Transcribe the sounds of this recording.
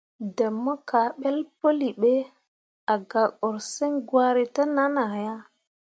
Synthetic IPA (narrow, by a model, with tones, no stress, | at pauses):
də˨mːo˦ka˨ɓe˦lpo˦li˨ɓe˦ | a˨ɡa˨ko˨ɾse˦ŋɡwa˦ɾi˦ta˦na˦na˨ja˦